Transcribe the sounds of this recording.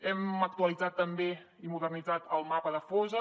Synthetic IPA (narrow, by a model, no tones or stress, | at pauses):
ɛmək̚t̪uəlid͡zat̪ːəmbe | imuðərnid͡zat̪əlˠmapəðəfɔzə